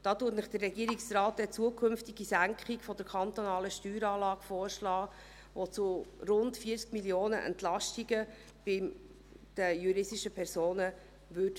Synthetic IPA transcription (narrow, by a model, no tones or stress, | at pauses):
d̥ɑːtuətnɪχd̥ərːɛɡiːɾiksrɑːt̚d̥ɛt͡suəkʰʏmftiɡ̥isæŋkχikfɔdəɾkʰɑnt̪onɑːləʃtyːɾɑːlɑːɡ̥foːɾʃlɑː | ʋot͡suɾʊntfiət͡skmiljoːnə̰ʔɛ̰ntlɑʃtiɡə | b̥ɪ | d̥əjuɾɪsiʃəpʰɛɾsoːnə | ʋʏt